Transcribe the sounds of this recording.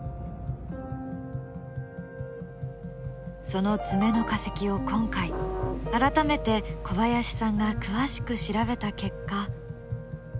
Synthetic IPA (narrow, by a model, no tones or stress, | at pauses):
so̞no̞t͡sɨme̞no̞kase̞̥kʲio̞kõ̞ŋkaiaɾat̪ame̞t̪e̞kʰo̞βajaɕi̥sãŋɡakɯ̟βaɕi̥kɯ̟ɕiɾaβe̞t̪ake̞kːa